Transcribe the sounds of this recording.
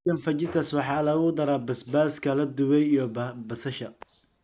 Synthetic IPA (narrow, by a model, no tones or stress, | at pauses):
ɐnfɐt͡ʃɪt̪ʰɐswɑħɑːlɐɣʊd̪ɐɾaːbɐsbaːskʰɐlɐd̪ʊwɛjijɔbɐsɐʃɐ